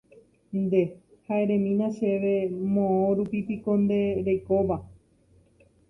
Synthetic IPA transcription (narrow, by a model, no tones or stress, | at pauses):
nd̪e̞ | haʔe̞ɾẽ̞mĩnãʃe̞ʋe̞mõõɾupipiko̞nd̪e̞ɾejko̞ʋa